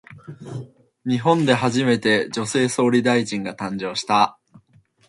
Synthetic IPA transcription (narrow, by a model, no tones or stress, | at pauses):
ɲ̟iɦõ̞nd̪e̞ɦaʑime̞t̪e̞d͡ʑo̞se̞ːso̞ːɾʲid̪aiʑĩŋɡat̪ãɲ̟d͡ʑo̞ːɕi̥t̪a